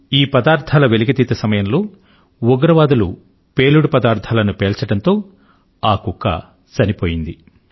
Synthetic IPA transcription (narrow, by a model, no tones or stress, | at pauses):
iːpɐd̪aːɾt̪ʰaːlɐʋeliɡit̪it̪ːɐsɐmɐjɐmloː | ɔɡɐɾɐʋaːd̪ulṵ | peːluɽupɐd̪aːɾt̪ʰaːlɐnupeːlt͡ʃɐɽɐnt̪o̞ː | aːkukːɐ̰ | sɐnipoːjind̪i